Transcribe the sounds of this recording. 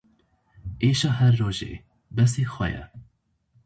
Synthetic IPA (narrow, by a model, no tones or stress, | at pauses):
eːʃɑːɦɛɾːoːʒḛː | bɛs̬eːxwɛ̰jɛ̰